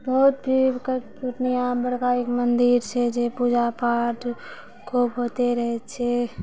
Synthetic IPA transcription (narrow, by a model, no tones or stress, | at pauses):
bɔt̪̚bʱik | ʊʈnijãbəɽkaekmənd̪iɾsed͡ʒepuːd͡ʒapaːʈ | kʰuːpɦoːt̪eɾəɦet͡ʃʰe